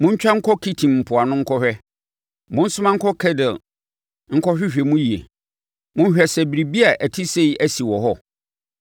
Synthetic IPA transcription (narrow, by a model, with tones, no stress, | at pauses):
mʊ̃˦ɲ̩˦t͡ɕᶣa˦ŋ̩˦kʰɔ˦kʰi˦tʰĩ˨mm̩˨pʰʊ˨a˨nʊ̃˦ŋ̩˦kʰɔ˦hᶣɛ˦ | mʊ̃˦n̩˦sʊ˦mã˦ŋ̩˦kʰɔ˦kʰɛ˦dɪ˨ | ŋ̩˦kʰɔ˦ɕᶣɪ˦ɕᶣɛ˨mũ˦ji˨ḛ˨ | mʊ̃˦n˦ɕᶣɛ˨sɛ˨bi˨ɾi˨bi˦a˨ʔæ˨tʰi˦se˦i˦æ˦si˨wɔ˨ɦɔ˦